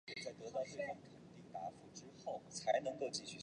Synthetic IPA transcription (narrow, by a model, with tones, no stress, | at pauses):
t͡sa˥˩ɪt̪ɤ˧˥t̪ɑ˥˧ʊʈ͡ʂe˥˩ɪfɑ˥˩ŋkʰə˨˩nt̪i˥˩ŋt̪a˧˥fu˧˥ʈ͡ʂɻ̩˥xo˥˩ʊt͡sʰa˧˥ɪnɤ˧˥ŋko˥˧ʊt͡ɕi˥˧ɕy˥˩